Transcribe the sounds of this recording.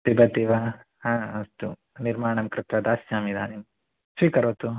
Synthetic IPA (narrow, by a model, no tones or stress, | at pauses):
tibɐt̪ːiːʋa | ɦãːɐst̪ṵ | niɾmaːɳɐmkɾɪt̪ʋɐd̪aːsjaːmid̪a̰ːnin | sʋiːkɐɾoːt̪u